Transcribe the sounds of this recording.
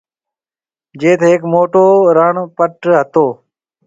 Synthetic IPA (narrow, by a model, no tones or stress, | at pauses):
d͡ʒeːt̪ʰeːɦekmoːʈoːɾəɳpəʈɦət̪oː